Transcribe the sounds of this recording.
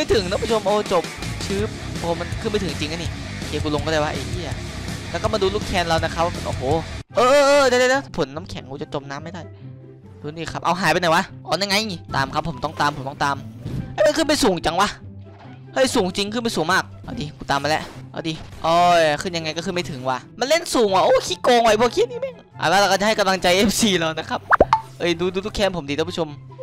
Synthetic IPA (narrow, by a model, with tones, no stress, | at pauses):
ma˥˩jt̪ʰɯ˨˦ŋnɛː˦˥pa˧˩jt͡ɕʰo˧mʔoː˧t͡ɕo˨˩p̚t͡ɕʰɯː˦˥˩p̚ | ʔoː˧ma˧nkʰɯː˥˩npa˧˩t̪ʰŋt͡ɕi˧ŋʔa˧˦ni˧˩ | kʰiː˨˦kuː˧lo˧ŋkɔː˥˧˩daː˧˥˩wa˧ʔeː˧˩˧a˨˩lɛ˦˥wkɔ˥˩ma˧duː˧luː˥˩kʰɛː˧nla˧wna˦˥kʰa˦˥pʔo̰ː˨˧˩hoː˨˩ʔɤː˧ʔɤː˧ʔɤː˧da˧˩˨da˥˩jda˦˥˩pʰo˨˦nːaː˦˥mkʰɛ˨˦ŋkuː˧˩t͡ɕa˨˩t͡ɕo˧mnaː˦˥mːa˥˩jda˥˩j | d̥uː˧˦diː˧˩kʰa˦˥p̚ʔa̰˧wɦaː˨˦jpa˧na˨˩˦wa˦˧˥ʔɔː˧ɲa˧ŋa˧jʔŋi˧˩t̪aː˨˦mkʰa˦˥pʰːo˩˦mt̪ɔ˥˩ŋt̪aː˧mʰpo˨˩˦t̪ɔ˥˨t̪aː˧mlɛː˧˥˦ma˧˥˨kɯ˥˩npa˧jsuː˨˩˦ŋt͡ɕa˧ŋwa˧˥ | hɤ˧˥˩jsuː˨˩˦ŋt͡ɕi˧ŋkʰɯ˥˩˨pa˧jsuː˨˩˦ŋmaː˥˩k̚ʔa˧˩diː˨˧kuː˨˧˦t̪aː˨mːa˧lɛ̰˦˥ʔʔa̰ː˧˩diː˧ʔɔː˧˩˧kʰɯ˥˩nja˧ŋːa˧jkɔː˥˩xɯː˧ma˥˩t̪ʰɯ˨˩˦ŋwaː˧˩ma˧nle˥˩nsuː˨˦ŋwaː˧˩ʔoː˧˥˩kʰiː˦˧˥koː˧ŋwa˧˩jpʰu˧˩˨kʰiː˧˩niː˥˩mɛː˧˥˩ŋ | ʔa̰˨˩lɛ˦˥˩la˧˩kɔ˥˩a˨ha˥˩ka˧mla˧ŋt͡ɕa˧jʔe˦˥msiː˧lɔː˧˩na˦˥kʰa˦˥p̚ʔɤ˧˩˨duː˧duː˧u˦˥kʰːɛː˧˥˨mpʰo˨˩˦mdi˧˥pʰu˥o˧m